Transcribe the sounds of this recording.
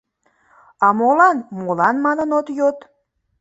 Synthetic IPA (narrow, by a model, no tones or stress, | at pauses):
ɑmolɑnmolɑnmɑnənot̪jot̪